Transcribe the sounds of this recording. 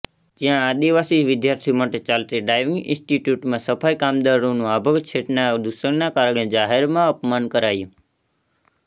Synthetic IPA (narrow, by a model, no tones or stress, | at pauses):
d͡ʒijãad̪iʋasiʋɪd̪jaɾt̪ʰimaʈet͡ʃalt̪eɖajʋiŋɡɪ̰̃nsʈiʈjuʈmãsəpʰajkamd̪aɾɽonũabʱəɡt͡ʃʰeʈnad̪uʃəɳnakaɾəɽ̃ed͡ʒaɦeɾmãəpmankəɾajũ